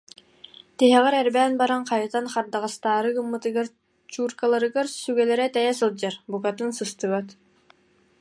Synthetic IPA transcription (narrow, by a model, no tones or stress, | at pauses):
t̪iɦɛʁɛɾɛɾbæːnbaɾanqajɯt̪anχaɾd̪aʁast̪aːɾɯɡɯmːɯt̪ɯɡaɾ | t͡ɕuːɾkalˠaɾɯɡaɾsyɡɛlɛɾɛt̪ɛjɛs̬ɯlˠd͡ʑaɾbukat̪ɯnsɯst̪ɯβat̪